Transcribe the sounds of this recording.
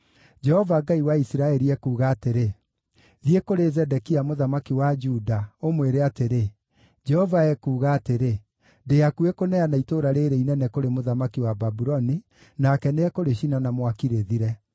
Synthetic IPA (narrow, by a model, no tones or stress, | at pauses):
d͡ʒɛhɔvaɡaiwaisiɾaɛɾiɛkuːɣaːteɾe | ðiekoɾezɛdɛkiamoðamakiwad͡ʒudaomweɾeateɾe | d͡ʒɛhɔvaɛkuːɣaːteɾe | deakuekonɛanaitoɾaɾeɾeinɛnɛkoɾemoðamakiwababuɾɔni | nakɛneɛkoɾeɕinanamwakiɾeðiɾɛ